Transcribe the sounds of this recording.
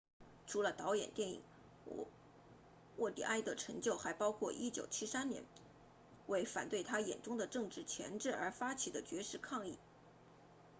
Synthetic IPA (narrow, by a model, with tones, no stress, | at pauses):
ʈ͡ʂʰu˧˥lə˧t̪ɑ˧˥ʊjɛ̰˨˩nt̪jɛ˥˩nḭ˨˩ŋ | wɔ˥˩t̪ḭ˨˩ʔa˥ɪd̪ə˩ʈ͡ʂʰɤ˧˥ŋt͡ɕjo˥˩ʊxa˧˥ɪpɑ˥ʊkʰwɔ˥˧ʔi˥t͡ɕjo˨˩ʊt͡ɕʰi˥sa˥nnjɛ̰˧˥n | we˥˩ɪfa̰˨˩nt̪we˥˩ɪt̪ʰa˥jɛ̰˨˩nʈ͡ʂʊ˥ŋd̪ə˨ʈ͡ʂɤ˥˧ŋʈ͡ʂɻ̩˥˩t͡ɕʰjɛ̰˧˥nʈ͡ʂɻ̩˥˩ə˞˧˥fa˥t͡ɕʰi˨˩d̪ə˦t͡ɕɥɛ˧˥ʂɻ̩˥˧kʰɑ˥˧ŋi˥˩